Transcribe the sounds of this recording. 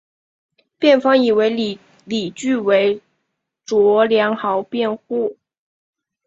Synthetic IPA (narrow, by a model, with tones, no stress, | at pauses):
pjɛ˥˩nfɑ˥ŋi˨˩we˧˥ɪ | li˨˩t͡ɕy˥˩we˧˥ɪ | ʈ͡ʂwɔ˧˥ljɑ˧˥ŋxɑ˧˥ʊpjɛ˥˧nxu˥˩